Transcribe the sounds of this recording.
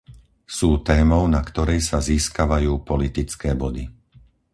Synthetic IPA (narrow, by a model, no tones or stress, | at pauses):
suːt̪ɛːmɔʊnakt̪ɔɾɛjsaziːskaʋajuːpɔlit̪it͡skɛːbɔd̪i